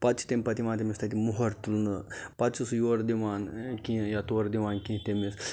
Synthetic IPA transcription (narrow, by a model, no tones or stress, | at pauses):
pɐt̪t͡ʃʰi̥t̪emʲpɐt̪iʋãːt̪emist̪ʰɐt̪imuɦɐɾt̪ulnɨpɐt̪t͡ʃʰusjoːɾd̪iʋaːnkʲĩjat̪oːɾd̪iʋaːnkĩt̪emis